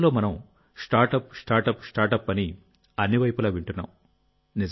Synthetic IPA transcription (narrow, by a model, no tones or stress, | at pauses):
lo̞ːmɐnɐm | sʈaːɾʈɐpsʈaːɾʈɐpsʈaːɾʈɐpːɐni | ɐnːiʋɐjpulaːʋiɳʈunːa̰ːm | ni